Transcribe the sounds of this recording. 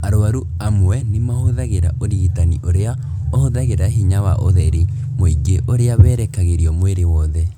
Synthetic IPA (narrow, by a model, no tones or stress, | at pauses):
aɾoaɾu | amwwɛnimahoðaɣeɾaʔoɾiɣitaniʔoɾea | ohoðaɣeɾaɦiɲawaʔoðɛɾe | moiɡeʔoɾeaβɛːɾɛkaɣeɾiɔmweɾewɔːðɛ